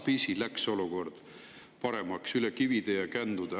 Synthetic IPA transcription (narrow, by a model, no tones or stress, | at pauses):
pisilækso̞luko̞rd̪̥ | pɑɾe̞mɑksylekivid̪̥ejɑkænd̪̥ud̪̥ɑ